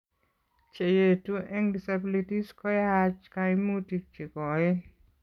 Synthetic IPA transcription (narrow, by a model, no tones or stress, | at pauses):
t͡ʃejetuʔɛŋdisabilitiskɔjat͡ʃkaimutik̚t͡ʃikɔe